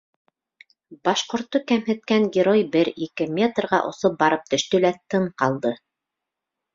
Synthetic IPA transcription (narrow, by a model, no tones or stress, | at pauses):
bɑʃqŏɾt̪ːokæmɦɘ̆t̪̚kæŋɡʲɪɾojbɘɾikɘmʲet̪rʁɑ̰ʔŏ̰sop̚bɑɾɤp̚t̪ɵ̆ʃt̪ɵ̆læt̪ɤɴqɑlˠd̪ɤ